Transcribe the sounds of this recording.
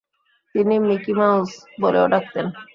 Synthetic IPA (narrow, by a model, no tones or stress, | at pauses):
t̪inimikimawsboleoɖak̚t̪en